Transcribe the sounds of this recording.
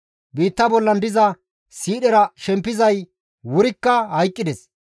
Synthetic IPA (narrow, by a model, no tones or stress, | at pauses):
biːt̪ːɐbɔlːɐnd̪ɪzɐ | siːɗɛɾɐʃɛmpːɪzɐj | wʊɾɪkːɐhɐjkʼːɪd̪ɛs